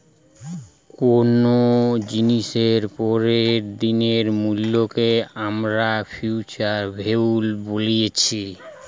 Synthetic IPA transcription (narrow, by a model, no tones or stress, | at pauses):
konod͡ʑiniʃeɾpɔɾeɾd̪ineɾmulːokeamɾafʰjut͡ɕaɾbʱewlbolijet͡ɕʰi